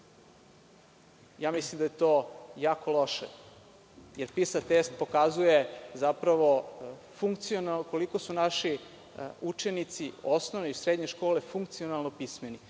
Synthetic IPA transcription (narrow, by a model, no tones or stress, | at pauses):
jaːmislimd̪ajet̪oːjaːko̞lo̞ʃḛ | jeɾpisat̪est̪̚po̞kazujezapɾaʋo̞ | fuŋk̚t̪sionako̞liko̞sunaʃi | ut͡ʃe̞nit̪siosnoʋneisɾed̪ɲe̞ʃko̞ːle̞fuŋk̚t̪sio̞nalˠnopismeni